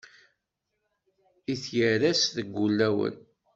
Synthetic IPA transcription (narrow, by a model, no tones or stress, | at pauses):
iθjəɾæsðəɡʷːulːæwə̰n